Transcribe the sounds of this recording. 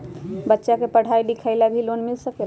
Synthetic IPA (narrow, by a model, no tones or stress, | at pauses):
bətːʃakepəɽ̤ʱajɖikʰaɪlabʱilonmilsəkel